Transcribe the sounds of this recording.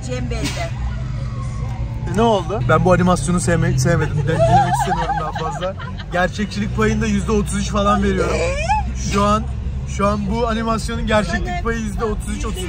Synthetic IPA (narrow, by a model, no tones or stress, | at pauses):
d͡ʒɛmbed̪ɛ | nɛolˠd̪ʊbænbuanimasjo̞nusemsejeme̞d̪imd̪ɛet̪isemijoɾumd̪anfazlˠa | ɟæɾt͡ʃʰɛc̚t͡ʃʰilʲic̚ʲpʰajɯnd̪ajyzd̪ɛo̞t̪ʰuzyt͡ʃfalˠanve̞ɾijo̞ɾumʃuan | ʃuanbuanimasjo̞nunɟæɾt͡ʃʰɛclʲic̚pʰajɯjyzd̪ɛo̞t̪ʰuzyt͡ʃo̞t̪ʰuz